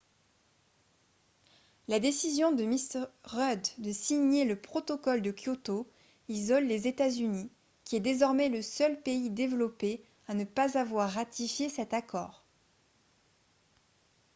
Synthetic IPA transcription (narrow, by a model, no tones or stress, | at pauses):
lad̪esizjɔ̃d̪əmisʁœd̪ːəsiɲeləpχɔt̪ɔkɔld̪əkjot̪o | izɔlːezet̪azyni | kʲiɛd̪ezɔʁmɛləsœlpeid̪evlɔpe | anəpazavwaʁːat̪ʰifjesɛt̪akɔ̰ːʁ